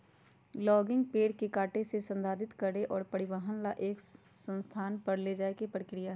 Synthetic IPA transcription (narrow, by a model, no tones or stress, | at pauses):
lɔːɡɪ̃ŋɡpeːɽkekaːʈesesə̃nd̪aːd̪ɪt̪kɐɾeʔɔːɾpɐɽɪʋəɦənlaʔeːk | sə̃nst̪ʰaːnpɐɾled͡ʒaːekepɾəkɾɪjaɦɛ